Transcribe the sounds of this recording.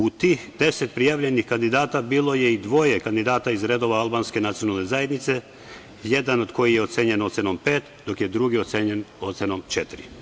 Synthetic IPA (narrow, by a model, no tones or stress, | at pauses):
ut̪iːxd̪e̞set̪pɾijaːʋʎe̞nixkand̪id̪aːt̪abiːlˠo̞je̞id̪ʋo̞jekand̪id̪aːt̪aizɾe̞d̪o̞ʋaalˠbanske̞nat̪sijo̞nalˠne̞zaje̞d̪nit̪se̞ | jed̪ano̞d̪ko̞jijeo̞t̪seɲe̞no̞t̪senompeːt̪d̪o̞kjed̪ɾuɡiot̪seɲeno̞t̪senomt͡ʃet̪iɾi